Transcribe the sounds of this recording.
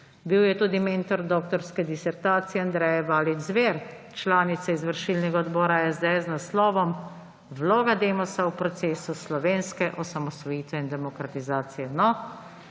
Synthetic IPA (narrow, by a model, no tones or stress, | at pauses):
biwjɛt̪uːd̪imeːnt̪ɔɾd̪ɔːk̚t̪ɔɾskɛd̪isɛɾt̪aːt̪sijɛand̪ɾɛjɛbaːlid͡ʒzʋeːɾ | t͡ʃlaːnit̪saizʋəɾʃilnɛɡaɔd̪bɔːɾajɛzd̪ɛɛznaslɔːʋɔm | ʋloːɡad̪eːmɔsawpɾɔt̪seːsuslɔʋeːnskɛʔɔsamɔst̪ʋɔjiːt̪ɛind̪ɛmɔkɾat̪izaːt̪sijɛnɔ